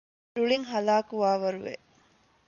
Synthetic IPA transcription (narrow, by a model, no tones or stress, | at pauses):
ɾuɭiŋɦɐlaːkuʋaːʋɐɾuʋḛ